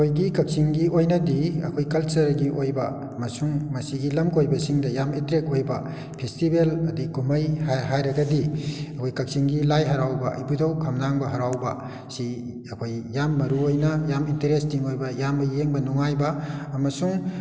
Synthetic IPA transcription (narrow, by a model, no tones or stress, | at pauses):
kʰojɡikɐk̚siŋɡiojnɐdiɐ̰kʰojkɐlt͡ʃɐɾɡiʔojbɐ | mɐsuŋmɐsiɡilɐmkojbɐsiŋdɐjametɾek̚ojbɐ | pʰestibelɐdikumɐjhaɦajɾɐɡɐdiɐkʰojkɐk̚siŋɡilajɦɐɾawbɐʔɐ̰jbudɐwkʰɐmnaŋbɐɦɐɾawbɐ̰ | si | ɐkʰojjːamːɐɾuojnɐjamintɐɾestiŋojbɐjamɐjeŋbɐnɔŋajbɐɐmɐsuŋ